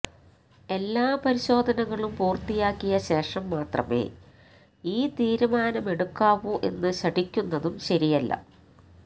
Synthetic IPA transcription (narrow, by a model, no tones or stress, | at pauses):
e̞lːaːpɐɾiɕo̞ːd̪ʱɐnɐŋɐɭumpuːrt̪ijaːkːijɐɕe̞ːʂɐmːaːt̪rɐ̰mḛː | iːt̪iːɾumaːnɐme̞ɽukːaːʋuʔe̞̰nːɨɕɐɖikʲːunːɐðumɕɐɾijɐlːɐ̰